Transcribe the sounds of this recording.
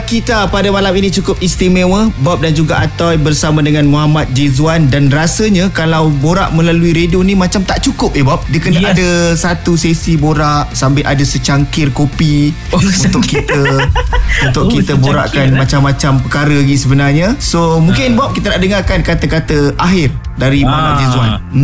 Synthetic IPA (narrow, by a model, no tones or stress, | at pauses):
kit̪apadəmalaminĩt͡ʃukʊp̚ist̪imewəbap̚dand͡ʒuɡaʔat̪awbərsamãdəŋãnmuɦamat̪̚d͡ʒezuandanrasəɲakalawboɾa̰ʔmə̃laluiɾedionimãt͡ʃamt̪aʔt͡ʃukʊp̚jebap̚diəkənaʔadəsat̪usesiboɾaʔsampɪlʔadəsət͡ʃaŋkɪrkopi | unt̪ʊʔkːit̪ə | unt̪ʊʔkit̪əboɾa̰ʔkanmat͡ʃamːãt͡ʃampəkaɾəɡisəbənarɲasomũŋkɪnbap̚kit̪ənaʔdəŋarkankat̪əkat̪əaɦɪr | daɾimoɦamat̪̚d͡ʒezuan